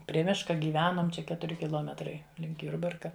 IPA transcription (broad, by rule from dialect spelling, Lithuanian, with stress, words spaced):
pʲrʲiɛ ˈmʲɪʃkɐ ɡʲiːˈʋʲæːnoːm ˈt͡ʃʲɛ ˈkʲæːtʊrʲɪ kʲɪˈlˠoːmʲɛtrɐɪ lʲɪŋk ˈjʊrbɐrkɐ